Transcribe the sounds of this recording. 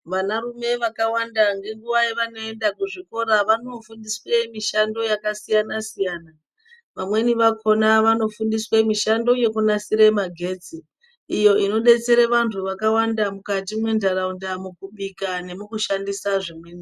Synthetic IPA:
ʋanaɾume̞ʋakawandaŋɡe̞ŋɡuʋaiʋano̞e̞ndakuʐiko̞ɾaʋano̞fundiswe̞miʃando̞jakasijanasijana | ʋamwe̞niʋakʰo̞naʋano̞fundiswemiʃando̞je̞kunasiɾemaɡʱe̞ːt͡siː | jo̞ʔino̞ɗe̞t͡se̞ɾeʋantʰuʋakawandamukatimwe̞ndʱaɾaundamukuɓikane̞mukuʃandisaʐemweːni

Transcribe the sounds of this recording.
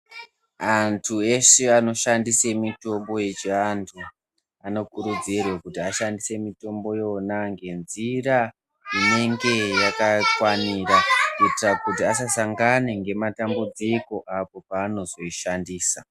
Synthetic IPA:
antʰue̞ʂeano̞ʃandise̞mito̞mbo̞je̞t͡ʃiantʰu | ano̞kuɾud͡zirwekutiaʃandise̞mito̞mbo̞jo̞naŋɡe̞nzira | ine̞ŋɡe̞jakakwanirakuitirakutiasasaŋɡaneŋɡe̞matambud͡ziko̞ʔapo̞paːno̞zo̞iʃandiːsa

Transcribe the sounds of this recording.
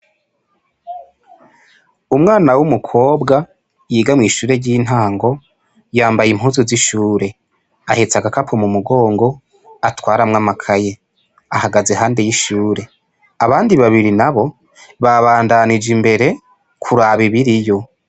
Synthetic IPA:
umŋaːnawumukʰo̞ːbɡa | jiːɡamŋiːʃuːɾe̞ɾɟiːn̥aːŋɡo̞ | jaːmbajim̥huːzuziʃuːɾe̞ | ahet͡saɡakapʰomumuɡo̞ːŋɡo̞ | atwaːɾamŋamakʰaje̞ | ahaɡaze̞ɦaːnde̞jiʃuːɾe̞ | aβaːndiβaβiɾinaβo̞ | βaβaːndanid͡ʒimbe̞ɾe̞ | kʰuɾaβiβiɾijo̞

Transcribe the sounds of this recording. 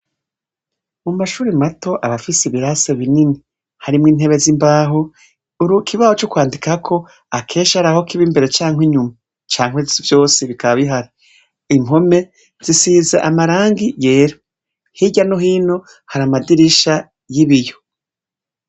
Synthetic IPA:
mumaʃuːɾimato̞ʔaβafiseβiɾaseβinini | haɾimŋiːn̥e̞βe̞zimbaːɦo | uɾukʰiβahot͡ʃokwaːndikakʰo̞ | akʰe̞ːʃaɾaho̞kiβimbe̞ɾe̞t͡ʃaːŋwiɲuma | t͡ʃaːŋ̥wevjo̞ːseβikaβaβiɦaɾi | im̥ɦo̞me̞ | z̥isiːzeʔamaɾaːŋɡijeːɾo | hiɟanoɦiːno̞ | haɾamadiɾiʃa | jiβijo̞

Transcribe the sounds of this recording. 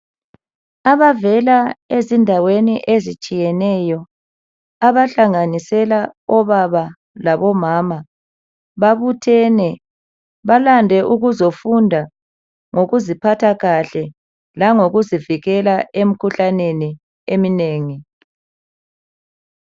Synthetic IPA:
aβavɛlaezindʱaweniʔezit͡ʃʼijɛnɛjɔ | aβaɬaŋanisɛlaɔβaβa | laβɔmaːma | βaβutʰɛnɛ | βalandʱɛʔuɣuzofundʱa | ŋoɣuzipʰatʰaɣaɬɛ | laŋoɣuziviɣɛlaʔem̩kʰuɬaneni | emineːŋi

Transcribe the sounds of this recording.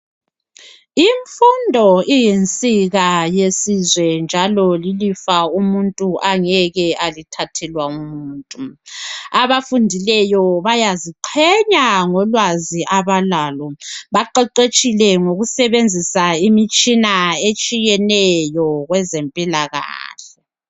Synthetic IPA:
iɱfundʱɔijent͡sʼiɣajesizwɛnd͡ʒʱalɔlilifaumuntʼuʔaŋɛɣɛalitʰatʰɛlwaumuːntʼu | aβafundʱilɛjɔβajaziǃʰɛɲaŋɔlwaziʔaβalaːlɔβaǃɛǃet͡ʃʼilɛŋoɣusɛβend͡zʱisaimit͡ʃʼinaet͡ʃʼijɛnɛjɔɣwɛzempʼilaɣa̰ːɬɛ

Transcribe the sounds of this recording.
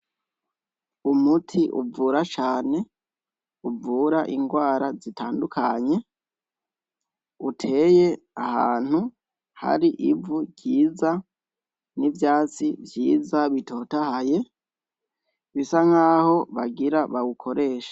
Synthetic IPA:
umutʰiʔṵvuːɾat͡ʃaːne̞ | uvuːɾaʔiŋɡwaːɾazitʰaːndukʰaɲe̞ | utʰe̞ːje̞ | aha̰ːn̥hu | ha̰ɾiʔivuɟiːza | nivjaːt͡sivjiːzaβitʰo̞tahaje̞ | βisaŋhaːho̞βaɡiɾaβawukʰo̞ɾe̞ːʃḁ

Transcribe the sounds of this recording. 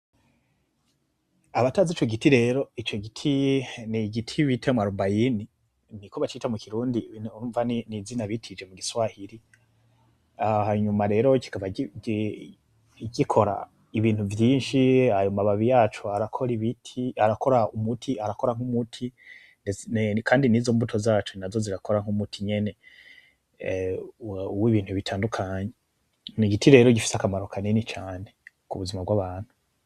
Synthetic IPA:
aβataːzit͡ʃo̞ɡitiɾe̞ːɾo̞it͡ʃo̞ɡitʰiniɡitʰiwitʰemwaɾubajini | nikoβat͡ʃiːtamukʰiɾuːndiuɱvaninizinaβitʰid͡ʒe̞muɡiswahiɾi | ahaɲumaɾe̞ːɾo̞ci̥kava | ɟikʰo̞ɾa̰ | iβiːn̥huvjiːnʃihajomaβaβijaːt͡ʃuaɾakʰo̞ɾiβitʰiaɾako̞ɾaumutʰiaɾako̞ɾaŋ̥umutʰi | nekʰaːndinizo̞ːmbutʰo̞zaːt͡ʃonazo̞ziɾakʰo̞ɾaŋ̥umutʰiɲe̞ne̞ | uwiβiːnhuβitʰaːndukʰaːɲe | niɡitiɾe̞ːɾoɟifi̥sakamaɾo̞kʰanenit͡ʃaːne̞ | kuβuzimabɡwaːβaːn̥hu

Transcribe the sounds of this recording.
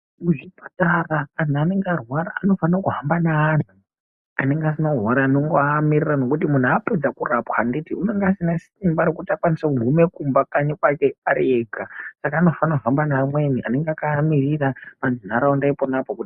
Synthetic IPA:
muʐipataraːn̤uane̞ŋɡarwaɾaːno̞fanakuɦambanaːn̤u | a̰neŋɡeasinarwaɾaːnoŋɡoamirirano̞kutimun̤uaped͡zakurapwanditiune̞ŋɡeasinas | imbaɾokutiakwanisakuɡʱume̞kumbakaɲikwakeaɾieɡasakaːno̞fanavambanamwe̞niʔa̰ne̞ŋɡakamiriramand͡zin̤aɾaondaiponapokuti

